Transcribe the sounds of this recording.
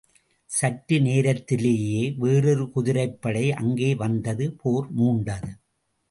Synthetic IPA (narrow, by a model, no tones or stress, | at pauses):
sɐʈːɯneːɾɐt̪ːɪleːjeːʋeːrɯɾɯkʊðɪɾɐɪpːɐɽɐɪʔɐŋɡeːʋɐnd̪ɐðɯpʰoːɾmuːɳɖɐðɯ